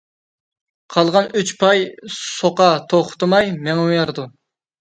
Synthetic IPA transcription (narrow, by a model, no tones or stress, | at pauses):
qʰɑlˠʁɑnyt͡ʃpʰɑjsoqɑt̪ʰoχʊ̥t̪ɨmɑjmeŋɛujɑɾd̪u